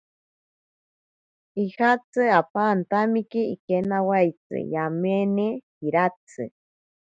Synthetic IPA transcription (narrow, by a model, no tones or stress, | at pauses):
ihat͡sʰɨapant̪amikiikenawajt͡sɨ̰jamenehiɾat͡sʰɨ̰